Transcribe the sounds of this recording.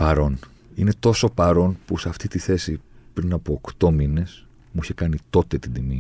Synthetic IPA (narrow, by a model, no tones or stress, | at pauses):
pɐɾo̞n | ine̞t̪o̞so̞pɐɾo̞npuseɐft̪it̪iθe̞sipɾinɐpo̞ːkt̪o̞mine̞s | muiçe̞kɐnit̪o̞t̪e̞t̪id̪imi